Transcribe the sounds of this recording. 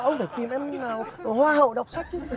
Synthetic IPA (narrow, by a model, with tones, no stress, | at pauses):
ʔə˧wŋ͡mfaː˧˩jt̪i˨˩mʔɛ˧mnaː˨˩whwaː˧hə̰˧˨wɗə˨˩wk͡p̚sa˦˥k̟̚t͡ɕɨ˦˥